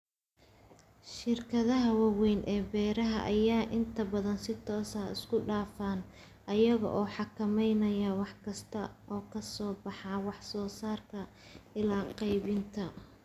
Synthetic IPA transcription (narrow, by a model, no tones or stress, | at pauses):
ʃɪrkʰɐðɐɦɐwɑwɛnʔɛːbɛːɾɐɦɐ̰ʔɐjaːʔɪnt̪ʰɐbɐðɐnsɪt̪ʰɔːsɐːɪ̰skʰʊɖaːfaːn | ʔɐjɐɣɔ̰ʔɔːħɑkʰɐmɛjnɐjɐwɑħkʰɐst̪ʰɐʔɔːkʰɐsɔːbɑħɑːwɑħsɔːsaːrkʰɐ | ɪlaːqɑjβɪnt̪ʰɐ